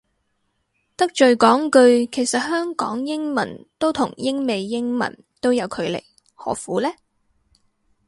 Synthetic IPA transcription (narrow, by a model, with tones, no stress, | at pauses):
t̪ɐ˥k̚t͡ʃɵ˨ɥkɔː˨˥ŋkɵ˧ɥkʰe˨˩jsɐ˨t̚hœː˥ŋkɔ̰ː˨˥ŋjɪ˥ŋmɐ̰˨˩nt̪o˥wt̪ʰʊ˨˩ŋjɪ˥ŋme˨jːɪ˥ŋmɐ̰˨˩n | t̪o˥wjɐ˨˧wkʰɵ˨˧ɥlḛ˨˩j | hɔ̰ː˨˥fuː˨˥lɛː˥